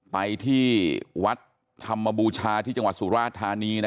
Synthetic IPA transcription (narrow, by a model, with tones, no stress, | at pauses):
pa˧jt̪ʰiː˥˩wa˦˥t̪̚ʰː | a˧mːa˧buː˧t͡ɕʰaː˧t̪ʰiː˥˩t͡ɕa˧ŋwa˨˩t̪̚suː˩˦ɾaː˥˧˩t̪ʰaː˧niː˧n˦